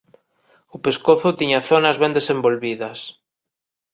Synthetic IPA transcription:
ʊpeskoθʊt̪iɲɐθonɐzβɛnd̪esembolβiðɐs

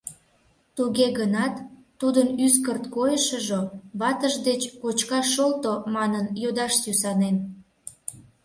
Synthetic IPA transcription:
t̪uɣeɣənɑt̪ː | ud̪ənyskərt̪kojəʃəʒoβɑt̪əʒd̪et͡ɕkot͡ɕkɑʃːolt̪omɑnənjod̪ɑʃsysɑnen

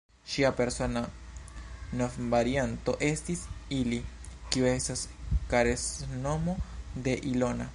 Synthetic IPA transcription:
ʃiape̞ɾso̞na | nofvaɾianto̞ʔe̞stisilikiue̞staskaɾesno̞mo̞d̪e̞ʔilo̞na

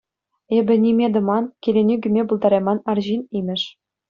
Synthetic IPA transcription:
ebʲɘ̆nʲimʲed̪ɤ̆mɑnkʲelʲenʲiɡʲymʲebulˠd̪ɑɾʲɑmɑnɑrʑinimʲɘ̆ʂ

